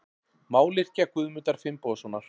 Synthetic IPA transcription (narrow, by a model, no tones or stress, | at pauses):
maːwlɪr̥cakʏðmʏt̪aɾ̥fɪmpɔːðsɔnːaɾ̥